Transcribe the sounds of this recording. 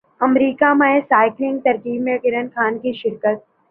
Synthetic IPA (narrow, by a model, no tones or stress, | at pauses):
ɐmɾiːkamaesaːɪklɪ̃ŋɡ̚t̪ɐɾkiːbmẽkɪɾənkʰaːnkiʃɪɾkət̪̚